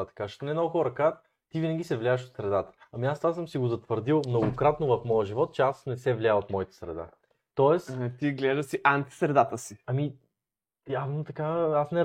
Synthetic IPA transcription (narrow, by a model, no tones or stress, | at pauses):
at̪ɐ̥kaʒt̪onɛnɔɡʊxɔɾəkat̪ | t̪ivinəɡ̟ʲisɛvlʲjaɛʃot̪sɾɛd̪at̪ə̥ɐmiast̪vasɤmsiɡozɐt̪vəɾd̪ilˠmnoɡʊkɾat̪novɐfmɔjəʒivɔt̪̚t͡ʃɛasnɛsɛvlʲiaot̪mɔit̪ɛ̥sɾɛ̰d̪a̰ | t̪ɔɛst̪iɡlɛʒd̪əsiʔant̪i̥sɾɛd̪at̪əsiɐmi | janot̪ɐkaasnɛ